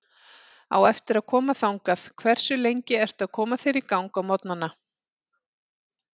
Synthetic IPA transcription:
a̰wɛft̪ɪɾaðkʰɔːmaθawŋkaθkʰvɛr̥sʏlejɲcɪɛr̥t̪aðkʰɔːmaθɪɾɪɾkawŋkawmɔt̪nanːa

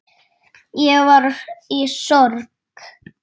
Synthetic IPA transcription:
jɛvaɾisɔɾk

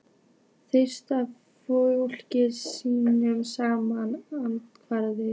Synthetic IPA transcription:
θʏ̥st̪a | foul̥cɪsiːnʏmsaːmanant̪kʰvaɾðɪ

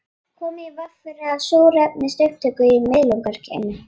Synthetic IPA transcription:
kʰɔːmɪivaffɪɾɪasoːwɾɛpnɪst̪œɥft̪ʰœkʏiɪmɪðlɔwŋkaɾ̥cʰɛ̰nːʏ

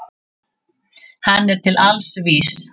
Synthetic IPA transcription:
hanːɛɾ̥t̪ʰɪlalsviːss

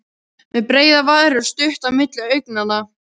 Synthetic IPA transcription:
mɛðpɾeːjðavaːðɾʏɾ̥st̪ʏht̪avmɪt̪lɪœɥjk̚nana

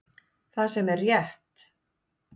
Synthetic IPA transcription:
θaðsɛmɛrːjɛht̪

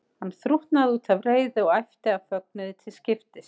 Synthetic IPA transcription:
hanːθɾuht̪naðuːt̪ʰavreːjðɪɔɣajft̪ɪafœk̚nɪðɪt̪ʰɪlscɪft̪ɪst̪

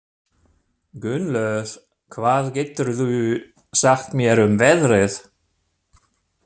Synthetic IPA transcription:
ɡʏnlœð̥ | kʰvaːðcɛːt̪ʏɾðu | saxt̪mjɛɾʏmvɛðrɪθ

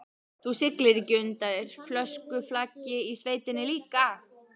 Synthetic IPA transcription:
θusɪklɪɾcʏnt̪aðɪɾ̥flœskʏflacːɪisveːjt̪ɪnːɪliːka

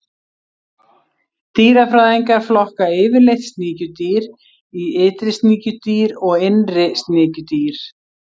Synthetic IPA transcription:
t̪iːɾafɾaːðiŋkaɾ̥flɔhkaɪːvɪɾlejht̪st̪niːcʏt̪iːɾ | iɪːt̪ɾɪst̪niːcʏt̪iːɾɔɣenrɪst̪nɪːcʏt̪iːɾ̥

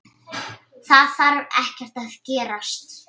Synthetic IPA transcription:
θaðθaɾɾɛhcɛr̥t̪aðcɛːɾast̪

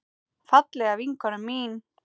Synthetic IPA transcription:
fat̪lɛɣaviŋkɔɾʏmiːn

